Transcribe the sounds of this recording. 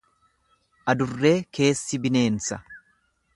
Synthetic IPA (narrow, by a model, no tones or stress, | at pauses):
ʔɐd̪ʊrːe̞ːke̞ːsːɪbɪne̞ːnsɐ